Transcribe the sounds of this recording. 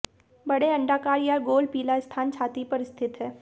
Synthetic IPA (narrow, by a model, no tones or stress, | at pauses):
bɐɽeɐ̃ɳɖaːkaːɾjaɡoːlpiːlaɪst̪ʰaːnt͡ʃʰaːt̪ipɐɾɪst̪ʰɪt̪ɦɛː